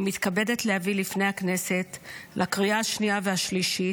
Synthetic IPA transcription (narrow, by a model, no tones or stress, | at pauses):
mit̪kabe̞det̪lehavilifnejhakne̞se̞tlʔakʁiaaʃniaveaʃliʃi